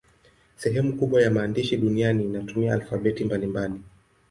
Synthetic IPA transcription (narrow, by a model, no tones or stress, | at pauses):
sɛɦɛmukuɓwajamaːndiʃiɗunianiːnatumiaːlfaɓɛtimbalimbali